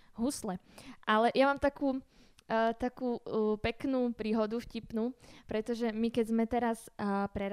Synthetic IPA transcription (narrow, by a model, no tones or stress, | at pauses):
ɦuslɛ | ʔalɛjamaːmt̪akuː | t̪akuːpɛknuːpɾiːɦɔd̪ufcipnuːpɾɛt̪ɔʒɛmikɛzmɛt̪ɛɾaspɾɛɾ